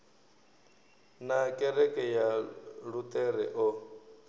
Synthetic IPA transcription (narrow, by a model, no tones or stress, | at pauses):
nakʼɛɾɛkʼɛjaɺut̪ʼɛɾɛ̰ʔɔ